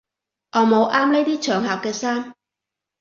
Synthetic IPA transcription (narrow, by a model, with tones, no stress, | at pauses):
ʔɔː˨˧mo˨˧wʔaː˥mne˥jt̪iː˥t͡ʃʰœː˨˩ŋɦaː˨k̚kɛː˧saː˥m